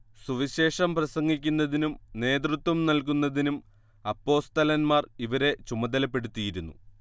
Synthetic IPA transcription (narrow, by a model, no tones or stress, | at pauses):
suʋiɕe̞ːʂɐmprɐsɐŋːikʲːunːɐðinumne̞ːd̪rɨt̪ʋɐmnɐlk̬unːɐðinum | ɐpːo̞ːst̪ɐlɐnmaːriʋɐɾe̞t͡ɕumɐd̪ɐlɐpːe̞ɽut̪ːijiɾunːṵ